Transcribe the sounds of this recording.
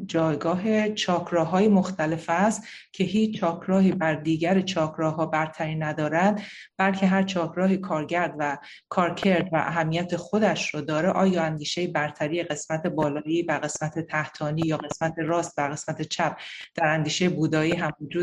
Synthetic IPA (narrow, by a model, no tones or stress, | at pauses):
d͡ʒɒːjɡɒːɦe̞t͡ʃʰɒːkʰɾɒːɦɒːjemoxt̪ʰæle̞fæst̪ | cʰe̞ɦiːt͡ʃʰt͡ʃʰːɒːkʰɾɒːɦiːbæɾd̪iːɟæɾet͡ʃʰɒːkʰɾɒːɦɒːbæɾt̪ʰæɾiːnæd̪ɒːɾænd̪ | b̥ælcʰe̞ɦæɾt͡ʃʰɒːkʰɾɒːɦiːkʰɒːɾɟæɾd̪væ | kʰɒːɾcʰe̞ɾd̪væ̰ʔæɦæmːijæt̪ʰe̞xod̪æʃrɔd̪ɒːɾeʔɒːjɒːænd̪iːʃejibæɾt̪ʰæɾiːjeɣe̞smæt̪ʰe̞bɒːlɒːiːbæɾɣe̞smæt̪ʰe̞t̪ʰæht̪ʰɒːniːjɒːɣe̞smæt̪ʰe̞ɾɒːst̪̚b̪æɾɣe̞smæt̪ʰe̞t͡ʃʰæp̚d̪̥æɾænd̪iːʃejebuːd̪ɒːiːɦæmvod͡ʒuː